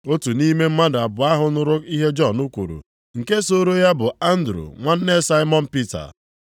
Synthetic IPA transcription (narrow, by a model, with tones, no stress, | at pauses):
o˦tu˨ni˦me˦m̩˦ma˦da˨bʊ˨a˦ɦʊ˦nʊ˦ɾʊ˦i˦ɦe˦d͡ʒɔ˦˨nʊ˦kʷu˨ɾṵ˨ | ŋ̩˨ke˦so˦ɾo˦ja˦bʊ˨a˦n̩˦dɾṵ˨ŋʷa˦n̩˦ne˦sa˦ɪ˦mɔ˦n̩˦pi˦ta̰˨